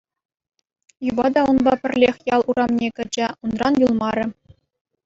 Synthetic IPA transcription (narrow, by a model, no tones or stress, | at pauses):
jubɑd̪ɑunbɑpʲɘ̆rʲlʲexʲjɑlˠʔuɾɑmnʲekʲɘ̆d͡ʑɘ̆unrɑnjulˠmɑɾʲɘ̆